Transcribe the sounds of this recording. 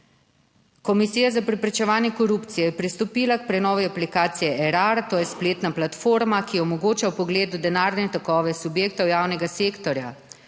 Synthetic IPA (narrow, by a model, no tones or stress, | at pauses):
kɔmisiːjazapɾɛpɾɛt͡ʃɛʋaːnjɛkɔɾuːpt̪sijɛjɛpɾist̪ɔpiːlak̚pɾɛnɔːʋiaplikaːt̪sijɛʔɛɾaɾat̪oːjɛspleːt̪naplat̪foːɾmakijɛɔmɔɡoːt͡ʃawpɔɡleːd̪ud̪ɛnaːɾnɛt̪ɔkɔːʋɛsubjeːk̚t̪ɔwjaːwnɛɡaseːkt̪ɔɾja